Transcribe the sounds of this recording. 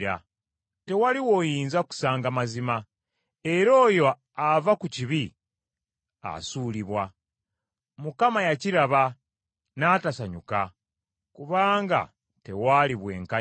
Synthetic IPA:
ɾa̰ | te̞waliwo̞jiːnzaku̥saːŋɡamazima | e̞ɾo̞ːjo̞ | avakuciβi | a̰suːliβwa | mukamajaciɾaβa | naːtasaɲuka | kuβaːŋɡa̰ | te̞waliβwe̞̰ːŋka

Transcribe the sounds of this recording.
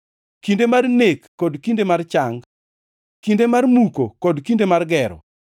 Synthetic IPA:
kindemarnekːɔdkindemart͡ʃaŋ | kindemarmukokɔdkindemarɡɛɾɔ̰

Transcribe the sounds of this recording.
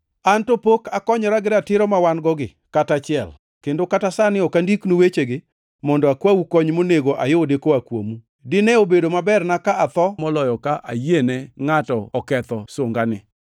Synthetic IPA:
antopokakɔɲɔɾaɡɪɾatɪɾɔmawanɡɔɡɪ̰ | katat͡ʃɪɛ̰l | kendokatasanɪɔkandiknowet͡ʃeɡɪ | mɔndɔakwawukɔɲmoneɡoʔajodekoakwo̰mu | dɪnɛobedomabɛrnakaʔat̪ɔmɔlɔjɔkaʔa̰jenɛŋatɔɔkɛt̪ɔsʊŋɡanɪ

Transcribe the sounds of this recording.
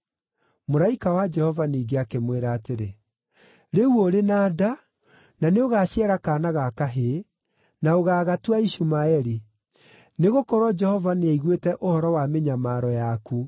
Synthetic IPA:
moɾaikawad͡ʒɛhɔvaniːɡeakemweɾaːteɾe | ɾewoɾenaːda | naneoɣaɕjɛɾakaːnaɣakaɦe | naoɣaːɣatwaiʃumaɛɾi | neɣokɔɾwɔd͡ʒɛhɔvaneaiɣwetɛʔohɔɾɔwameɲamaːɾɔjaku

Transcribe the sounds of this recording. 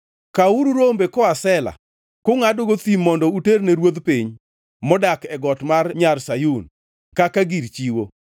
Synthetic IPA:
kauɾuɾombekɔasɛla̰ | kʊŋadoɡot̪imːɔndɔuterneɾwod̪piɲ | mɔdakɛɡɔtmarɲarsajun | kakaɡiɾt͡ʃiwo

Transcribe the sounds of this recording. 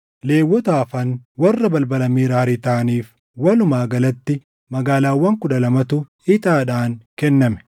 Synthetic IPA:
le̞ːwːɔt̪aːfɐnwɐrːɐbɐlbɐlɐmiːɾɐhɐɾɪt̪aːniːf | wɐlʊmaːɡɐlɐt̪ːɪ | mɐɡaːlaːwːɐŋkʊᶑɐlɐmɐt̪ʊ | ɪt̪ʼaːᶑaːnkɛnːɐmɛ̥

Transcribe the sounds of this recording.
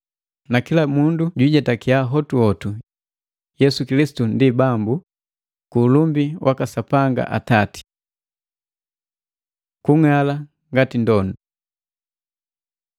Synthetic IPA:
nakilamunduɟwiɟɛtakiaɦɔtuɔtu | jɛsukilisi̥tundibambu | kuːlumbiwʔakasapaŋɡa̰ʔatati̥ | kuŋala | ŋɡatindɔnu

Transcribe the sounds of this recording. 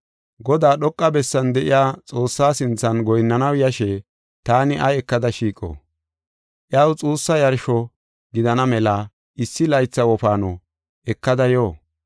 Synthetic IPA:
ɡɔd̪aːɗɔkʼːɐbɛsːɐnd̪ɛʔɪjaːt͡sʼo̞ːsːaːsɪnt͡sːɐnɡɔjnːɐnɐwjɐʃɛ | t̪aːnɪʔɐɛkːɐd̪ɐʃiːkʼo̰ | ʔjɐwt͡sʼuːsːɐjɐɾʃɔ | ɡɪd̪ɐnɐmɛla | ɪsːɪlɐjt͡sːɐwɔfaːno | ɛkːɐd̪ɐjoː

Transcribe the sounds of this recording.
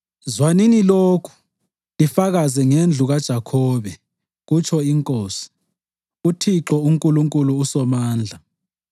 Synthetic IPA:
zwaniniloːkʰu̥ | lifaɣazɛŋend͡ɮʱuɣad̥ʒ̥ʱakʰɔːβɛ | ɣut͡ʃʰɔiŋkʼoːsi̥ | utʰiǁɔuŋkʼuluŋkʼuluːsɔmaːnd͡ɮʱa

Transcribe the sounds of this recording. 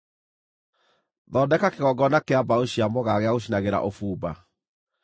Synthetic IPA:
ðɔdɛkakeɣɔɡɔnakeabaoɕiamɔɣaɣeaɣoɕ̬inaɣeɾa̰ʔofuːba̰

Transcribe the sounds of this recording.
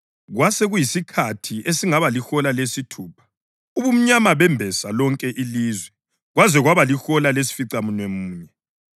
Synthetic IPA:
ɣwaseɣujisikʰatʰiʔesiŋaβalixɔlalesitʰuːpʰḁ | uβum̩ɲamaβɛmbʱɛsalɔŋkʼɛʔiliːzwɛ | ɣwazwɛɣwaβalixɔlales̬i̥fiǀamunwemuːɲɛ

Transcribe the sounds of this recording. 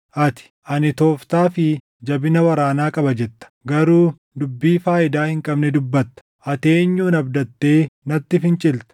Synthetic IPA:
ʔɐt̪ɪ̥ʔɐnɪt̪o̞ːft̪aːfɪ | d͡ʒɐbɪnɐwɐɾaːnaːkʼɐbɐd͡ʒɛt̪ːɐ̥ɡɐɾuː | d̪ʊbːiːfaːʔɪd̪aːhɪŋkʼɐbnɛd̪ʊbːɐt̪ːɐ̥ʔɐt̪eːɲːuːnɐbd̪ɐt̪ːe̞ːnɐt̪ːɪfɪnt͡ʃʼɪlt̪ɐ̥

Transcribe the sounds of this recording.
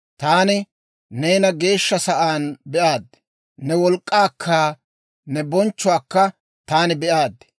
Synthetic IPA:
t̪aːnɪ | neːnɐɡe̞ːʃːɐsɐʔaːnbɛʔaːd̪ːɛ̥ | nɛwɔlkʼːaːkʰːaː | nɛbɔnt͡ʃːʊwaːkːɐ | t̪aːnɪbɛʔaːd̪ːɛ̥

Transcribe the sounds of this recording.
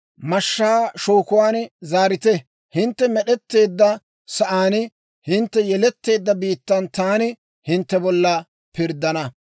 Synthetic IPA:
mɐʃːaːʃoːkʊwaːnzaːɾɪt̪ɛ | hɪnt̪ːɛmɛɗɛt̪ːe̞ːd̪ːɐ | sɐʔaːn | hɪnt̪ːɛjɛlɛt̪ːe̞ːd̪ːɐbiːt̪ːɐnt̪aːnɪ | hɪnt̪ːɛbɔlːɐ | pɪɾd̪ːɐnɐ

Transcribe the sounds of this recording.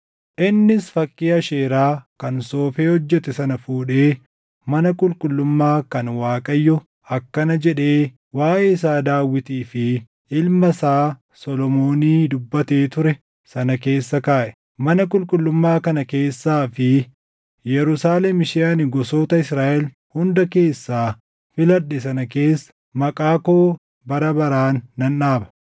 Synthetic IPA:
ʔɪnːɪsfɐkʼːiːɐʃeːɾaːkɐnso̞ːfeːhɔd͡ʒːɛt̪ɛsɐnɐfuːᶑe̞ː | mɐnɐkʼʊlkʼʊlːʊmːaːkɐnwaːkʼɐjːɔ | ɐkːɐnɐd͡ʒɛᶑe̞ː | waːʔeːɪsaːd̪aːwːɪt̪iːfɪ | ʔɪlmɐsaː | sɔlɔmo̞ːniːd̪ʊbːɐt̪e̞ːt̪ʊɾɛ | sɐnɐke̞ːsːɐkaːʔɛ̥ | mɐnɐkʼʊlkʼʊlːʊmːaːkɐnɐke̞ːsːaːfɪ | jɛɾʊsaːlemɪʃɛɐnɪɡɔso̞ːt̪ɐɪsɾaːʔɛl | hʊnd̪ɐke̞ːsːaː | fɪlɐᶑɛsɐnɐke̞ːsːɐ̥ | mɐkʼaːkoː | bɐɾɐbɐɾaːnːɐnːaːbɐ̥

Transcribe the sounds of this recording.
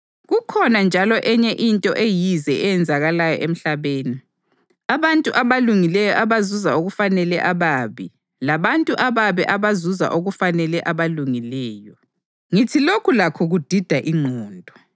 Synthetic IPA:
ɣukʰɔnand͡ʒʱalɔʔɛɲɛʔintʼɔ̰ʔejizɛʔɛjɛnd͡zʱaɣalajɔ̰ʔem̩ɬaβeːni | aβantʼuʔaβaluŋilɛjɔʔaβazuzaoɣufanɛlɛʔaβaːβi | laβantʼuʔaβaβɛʔaβazuza̰ʔoɣufanɛlɛʔaβaluŋilɛːjɔ | ŋitʰilokʰulakʰɔɣud̥ʱid̥ʱaʔiŋ͡ǃʱɔːndʱɔ

